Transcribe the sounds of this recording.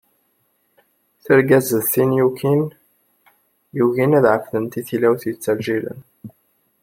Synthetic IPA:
θəɾɡæzəðθinjukin | juʝinæðʕəfθənt̪iθilæwθjət͡sːælʒilə̰n

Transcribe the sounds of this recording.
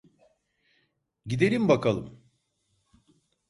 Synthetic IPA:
ɟid̪e̞ɾimbakʰalˠɯ̰m

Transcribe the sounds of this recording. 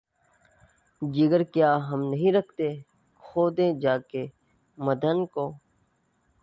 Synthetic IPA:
d͡ʒɪɡəɾkjaːɦəmnəɦĩːɾəkʰt̪eː | xoːd̪ẽːd͡ʒaːkeː | məd̪ʱənkoː

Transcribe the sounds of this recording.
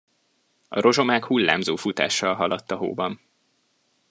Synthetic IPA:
ɒ̰ɾo̞ʒo̞maːkhulːa̰ːmzoːfut̪a̰ːʃːɒlɦɒlɒt̪ːɒɦo̰ːbɒn

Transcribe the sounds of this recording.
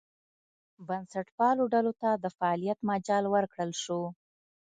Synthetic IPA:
bansaʈpɑloɖalot̪ad̪əfaɑlijat̪mad͡ʒɑlwəɾkɽəlʃo

